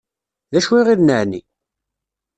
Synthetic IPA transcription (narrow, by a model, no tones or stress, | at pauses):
ðæʃwiʁiðnəʕnḭ